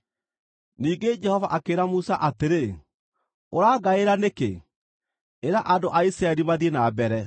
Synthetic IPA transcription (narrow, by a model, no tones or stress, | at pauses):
niːɡed͡ʒɛhɔvaʔakeːɾamusaʔateɾe | oɾaːɡaeɾanekḛ | eɾaʔandoʔaisɾaɛɾiβaðienabɛɾɛ